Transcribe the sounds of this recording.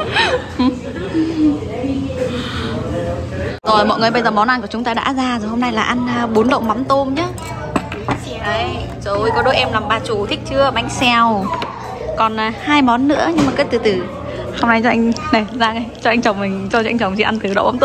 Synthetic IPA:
zo˨˩jmɔ̰˧˨jŋ˨˩əjɓə˧jzəː˨˩mɔ˨˦nʔa˧nku˧˩ət͡ɕʊ˨˦ŋ͡mt̪aː˧ɗa̰ː˧˥zaː˧zo˨˩jho˧mna˧jlaː˨˩ʔa˧n˧ɓo˨˦nɗə̰˧˨wŋ͡mɓa˨˦nt̪o˧mɲaː˨˦˥ | j | zo˨˩jkɔ˨˦ɗo˨˦jʔɛ˧mlaː˨˩mɓaː˧˩t͡ɕu˨˧˩t̪ʰï˦˥k̚t͡ɕɨ˧əɓa˨˦jŋ̟sɛ˧˩w | kɔ˨˩n˨˩haː˧jmɔ˨˦nːɨ̰˧˥əɲɨ˧ŋmaː˨˩kə˦˥t̚t̪ɨ˨˩t̪ɨ˨˩ | ho˧ŋ͡mna˧jt͡ɕɔ˧ʔa˧ŋna˨˩zaː˧ŋa˧˩jt͡ɕɔ˧ʔa˧ŋt͡ɕə˨˩wŋ͡mmï˨˩ŋ̟t͡ɕɔ˧ɔ˧jŋt͡ɕə˨˩wŋ͡mt͡ɕi˧˩ʔa˧nt̪ɨ˨˩ɗə̰˧˨wŋ͡mɓa˨˦t̪

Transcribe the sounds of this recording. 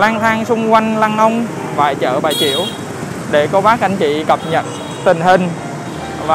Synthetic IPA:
laː˧nt̪ʰaː˧ŋsʊ˧ŋ͡mkwa˧jŋ̟laː˧ŋʔə˧wŋ͡m | va̰ː˨˩jt͡ɕə̰ː˧˩ɓaː˨˩jt͡ɕḭ˧˨əw | ɗe˧˩kɔ˧ɓaː˦˥k̚ʔa˧jŋ̟t͡ɕḭ˧˨kə˨˩p̚ɲə̰˨˩t̚ | t̪ï˨˩ŋ̟ɦï˨˩ŋ̟ | vaː˨˩

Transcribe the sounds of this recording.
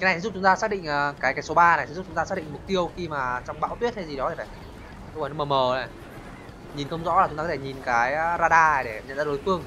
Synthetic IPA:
kna˨˩sɛ˧˥˦ʊ˨˦ŋ͡mt̪aː˧saː˦˥k̚ɗḭ˧˨ŋ̟ʔəː˨˩kaː˨˦jkaː˨˦jso˨˦ɓaː˧na˨˩jsɛ˧˥zk͡p̚t͡ɕʊ˨˦ŋ͡mt̪aː˧aː˦˥k̚ɗḭ˧˨ŋ̟mʊ˨˩k͡p̚t̪i˧əwxi˧maː˨˩t͡ɕɔ˧wŋ͡mɓa̰ː˧˥t̪wi˦˥ət̚hʰa˨˦jzi˨˩ɗɔ˨˦t̪ʰi˨˩faː˧˩j | xə˧wn˨˧˦məː˨˩məː˨˩nə˨˩j | ɲi˨˩nkə˧wŋ͡mzɔ̰˧˥la˨˩t͡ɕʊ˨˦ŋ͡mt̪a˧˨˧e˧˩ɲi˨˩nkaː˨˦jzaː˧ɗaː˧˩ɗe˧˩ɲə̰˧˨nzaː˧ɗo˨˦jfɨ˧əŋ

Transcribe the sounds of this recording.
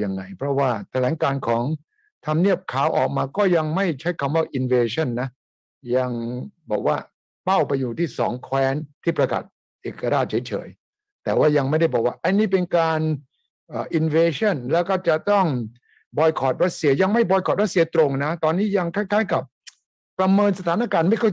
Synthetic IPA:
ja˧ŋːa˧jpʰɾɔ˦˥waː˥˩t̪ʰa˧lɛː˩˦ŋkaː˧nkʰɔː˩˦ŋ | t̪ʰa˧mni˥˩əp̚kʰaː˩˦wʔɔ̰ː˨˩k̚maː˧kɔː˥˩ja˧ŋma˥˩jt͡ɕʰa˦˥jkʰa˧mwaː˥˩ʔi˧nweː˧t͡ɕʰɔ˥˩nːa˦˥ | ja˧ŋbɔː˨˩k̚waː˥˩ | pa˥˩wpa˧jːuː˨˩t̪ʰiː˥˩sɔ̰ː˩˦ŋkʰwɛː˦˥nt̪ʰiː˥˩pɾa˧ka̰˨˩t̪̚ | ʔeː˨˩kːa˧ɾaː˥˩t̪̚t͡ɕʰɤː˩˦t͡ɕʰɤ̰ː˩˦j | t̪ɛː˨˩waː˥˩ja˧ŋma˥˩jda˥˩bɔː˨˩k̚waː˥˩ʔa˧niː˥˩p̬e˧nkaː˧n | ʔəː˨˩ʔi˧nweː˧t͡ɕʰɔ˥˩nlɛː˦˥wkɔː˥˩t͡ɕa˨˩t̪ɔ˥˩ŋ | bɔː˧jkʰɔː˨˩t̪̚ɾa˦˥t̪̚si˧ɐja˧ŋma˥˩jbɔː˧jkʰɔː˨˩t̪̚ɾa˦˥t̪si˧ɐt̪ɾo˧ŋna˦˥t̪ɔː˧nːiː˦˥˩ja˧ŋkʰaː˥˩jkʰaː˦˥jka˨˩p̚ː | ɾa˧mɤː˧nsa˧t̪ʰaː˩˦nʔaː˧kaː˧nma˥˩jkʰɔ˥˩

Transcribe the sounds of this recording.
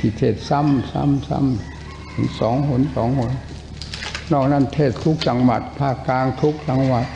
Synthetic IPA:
t̪ʰi˧˩t̪ʰeː˧˩t̪̚sa˧˥˩msa̰˧˥˩msa̰˥˩˨m | t̪ʰɯ˨˦sɔː˩˦ŋhu˨˩˦nsɔː˩˦ŋho˧˦n | nɔː˥˨˩k̚na˧˥˨nt̪ʰeː˥˩t̪ʰu˦˥k̚t͡ɕa˧ŋwa̰˨˩t̪̚pʰaː˥˩kːaː˧ŋt̪ʰu˦˥k̚t͡ɕa˧ŋwa˨˩t̪̚

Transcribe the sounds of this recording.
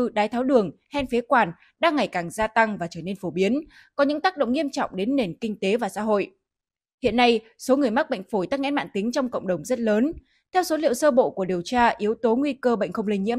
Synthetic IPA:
ɗaː˨˦jt̪ʰaː˨˦wɗɨ˨˩əŋhɛ˧nfe˨˦kwaː˨˩n | ɗaː˧ŋːa˨˩jkaː˨˩ŋzaː˧t̪a˧ŋvaː˨˩t͡ɕəː˧˩ne˧nfo˧˩ɓi˨˦ən | kɔ˨˦ɲɨ̰˧˥ŋt̪aː˦˥k̚ɗə̰˧˨ŋ͡mŋi˧əmt͡ɕɔ̰˧˨wŋ͡mɗe˨˦nːe˨˩nkï˧ŋ̟t̪e˨˦vaː˨˩sa̰˧˥ɦo̰˧˨j | hḭ˧˨ənːa˧j | so˨˦ŋɨ˨˩əjma˦˥k̚ɓə̰˧˨ŋ̟fo˧˩jt̪aː˦˥k̚ŋɛ̰˧˥nma̰ː˧˨nt̪ï˨˦ŋ̟t͡ɕɔ˧wŋ͡mkə̰˧˨wŋ͡mɗə˨˩wŋ͡mzə˦˥t̚ləː˨˦n | t̪ʰɛ˧wso˨˦lḭ˧˨əwsəː˧ɓo̰˧˨ku˧˩ɗi˨˩əwt͡ɕaː˧ʔi˨˦əwt̪o˨˦ŋwi˧kəː˧ɓə̰˧˨jŋ̟xə˧wŋ͡mli˧ŋɲḭ˧˥ə

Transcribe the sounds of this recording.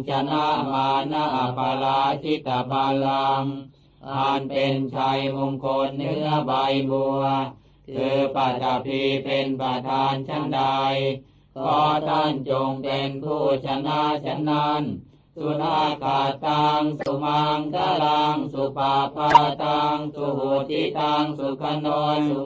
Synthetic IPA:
t͡ɕʰa˧˥na˥˧˥ʔmaː˧na˧˥˩ʔa˨˩pʰa˧la˦˥kʰi˦˧˩t̪a˧pʰa˧laː˧m | ʔʰa˧˩npe˧nt͡ɕʰa˧jmu˧ŋkʰo˧nhɯ˥˩ɐba˧jbu˧ | kʰɯː˧pa˧˩t̪a˧˩pʰi˧pe˧npɾa˧t̪ʰaː˧nt͡ɕʰa˥˩nda˧j | kʰɔː˧˥˩t̪ʰa˥˩nt͡ɕo˧ŋpe˧npʰuː˥˩t͡ɕʰa˧na˧˥˨t͡ɕʰa˧˥˨nːa˧˥n | su˧˦na˥˩kʰaː˨˩t̪ːaː˧ŋsu˧˦ma˧ŋk̪a˧˥˩la˧ŋsu˧pʰaː˧pʰaː˥˧˥t̪aː˧ŋsu˧hu˨˩t̪ʰːiː˧˥˩t̪aː˧ŋsu˧˩kʰa˧˥no˧n

